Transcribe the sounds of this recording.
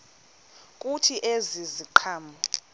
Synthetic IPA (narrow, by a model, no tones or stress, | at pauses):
k̬ʼutʰiʔeziziǃʰaːmɔ